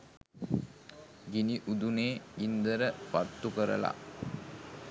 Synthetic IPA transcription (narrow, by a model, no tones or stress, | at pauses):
ɡiniʔud̪uneːind̪əɾəpat̪ːukəɾə̰la̰